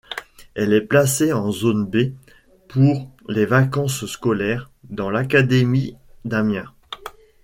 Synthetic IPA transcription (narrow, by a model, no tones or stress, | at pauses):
ɛlɛplaseɑ̃zonbe | puʁlevakɑ̃sskɔlɛʁ | d̪ɑ̃lakad̪emid̪amjɛ̃